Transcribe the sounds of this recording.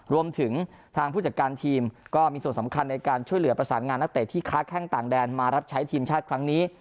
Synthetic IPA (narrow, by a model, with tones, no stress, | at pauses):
ɾu˧əmt̪ʰɯ˩˦ŋ | t̪ʰaː˧ŋpʰuː˥˩t͡ɕa˨˩kaː˧nt̪ʰiː˧mkɔː˥˩miː˧su˨˩ənsa˩˦mkʰa˧nːa˧jkaː˧nt͡ɕʰu˥˩əjlɯ˩˦ɐpɾa˧saː˩˦nŋaː˧nːa˦˥t̪e˨˩t̪ʰiː˥˩kʰaː˦˥kʰɛː˥˩ŋt̪aː˨˩ŋdɛː˧nmaː˧ɾa˦˥p̚t͡ɕʰa˦˥jt̪ʰiː˧mt͡ɕʰaː˥˩t̪̚kʰɾa˦˥ŋniː˦˥